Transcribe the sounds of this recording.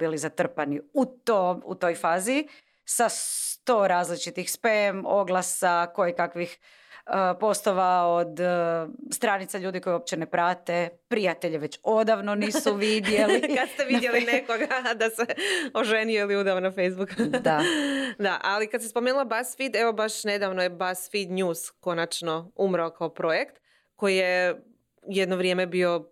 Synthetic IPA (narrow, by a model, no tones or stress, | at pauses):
bilizat̪r̩paniut̪omṵt̪o̞jfaːzi | sast̪o̞ːɾaːzlit͡ʃit̪ixspemo̞̰ɡlˠasako̞jikakʋix | əpo̞st̪oʋaod̪ | st̪ɾaːnit̪saʎuːd̪iko̞juop̚t͡ɕenepɾaːt̪epɾijat̪e̞ʎeʋe̞t͡ɕo̞d̪aʋnoniːsuʋid̪jelikad̪st̪eʋid̪jelineko̞ɡad̪aseoʒenijeiliud̪aonafejzbukd̪ad̪aʔalikat̪sespomeːnulˠabasfid̪eʋo̞baʃne̞d̪aʋnojebasfid̪ɲuːsko̞nat͡ʃnoumɾaokaopɾo̞jekt̪ | ko̞jije̞ | jed̪noʋɾʲjeːmebio̞